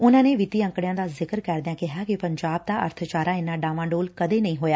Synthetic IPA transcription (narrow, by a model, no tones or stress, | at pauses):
ʊnãːneːʋɪt̪iːə̃ŋkɽjãːd̪aːzɪkəɾkɛːɾd̪ɪjãːkɪɦaːkipəɲd͡ʒaːb̚d̪aːʔə̰ɾt̪ʰt͡ʃaːɾãːɪnːãːɖaːʋãːɳɖoːlkəd̪eːnɐĩːɦoːjaː